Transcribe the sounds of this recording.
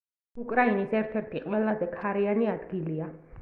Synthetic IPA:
ukʼɾainisɛɾt̪ʰɛɾt̪ʰiqʼwɛlˠazɛkʰaɾianiad̪ɡilia

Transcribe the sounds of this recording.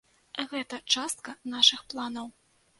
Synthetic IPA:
ɣɛt̪ɐt͡ʂast̪̚kɐnaʂɨxplˠanɐw

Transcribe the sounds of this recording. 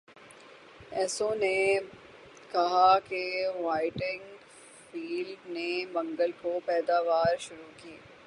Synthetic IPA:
ɛːsõne | kɐɦakeʋaːɪʈɪ̃ŋɡ | fiːlɖnebɐ̃ŋɡəlkopɛːd̪aːʋaːɾʃʊɾukiː

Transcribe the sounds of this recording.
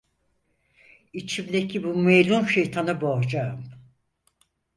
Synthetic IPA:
it͡ʃʰimd̪ecʰibumejlʲunʃejt̪ʰanɯboɦd͡ʒaɯm

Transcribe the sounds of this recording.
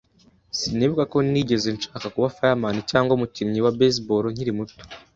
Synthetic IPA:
siniβukako̞niɟe̞zenʃaːkakuβafajamanicaːŋɡomucimɲiwabes̬boɾoɲ̥iɾimuto̥

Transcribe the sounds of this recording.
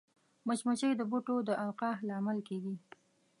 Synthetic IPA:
mət͡ʃmat͡ʃəjd̪əbuʈod̪əʔawqɑɦlɑmalkeɡi

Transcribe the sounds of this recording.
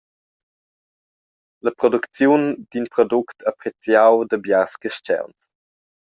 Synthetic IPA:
ləpɾɔdukt͡sjund̪̥inpɾɔduktʰapɾet͡sjawdəbjaskəʃt͡ʃɛ̰wns

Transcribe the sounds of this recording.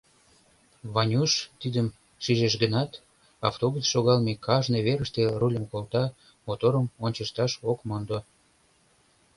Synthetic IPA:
βɑnʲuʃt̪id̪əm | ʃiʒeʃɡənɑt̪ | ɑft̪oɣet͡sʃoɣɑlmekɑʒneβeɾəʃt̪erulʲəmkolt̪ɑ | mot̪oɾəmonʲt͡ɕəʃt̪ɑʃokmond̪o

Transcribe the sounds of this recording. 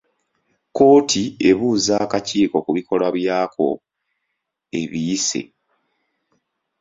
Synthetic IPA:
ko̞ːtʰie̞βuzaːkaciːko̞kuβiko̞laβjaːkʰo̞̰ | e̞̰βiise̞̰

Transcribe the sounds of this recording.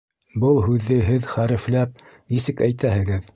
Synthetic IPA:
bɤlˠɦʉðːɘɦɘðχæɾɘ̆flæp̚ | nisɘkæjt̪æhɘ̆ɡɘð

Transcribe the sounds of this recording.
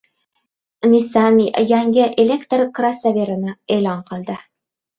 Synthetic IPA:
nisanʲijæŋɡɘʔelʲekt̪rkrasavʲeɾɤ̆naejlɑɴqɤ̆lˠd̪ɤ

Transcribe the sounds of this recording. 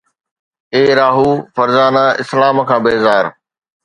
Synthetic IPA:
eːɾaːɦuːfɐɾzaːnaːɪslaːmkʰãːbeːzaːɾ

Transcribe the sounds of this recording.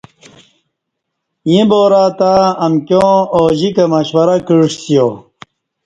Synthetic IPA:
jĩboːɾaːt̪aːɐmkjõːoːʑikɐmɐɕwɐɾɐkiɻʂsijoː

